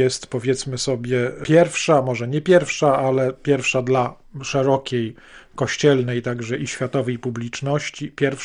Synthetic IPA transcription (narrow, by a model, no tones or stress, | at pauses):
jɛst̪pɔvʲjɛt̪smɘsɔbʲjɛpʲjɛɾfʂamɔʐɛɲɛpʲjɛɾfʂaalɛpʲjɛɾfʂad̪la | ʂɛɾɔkʲej | kɔɕt͡ɕɛlnɛjt̪aɡʐɛʔiɕfʲjat̪ɔvɛjpublʲit͡ʂnɔɕt͡ɕipʲjɛɾf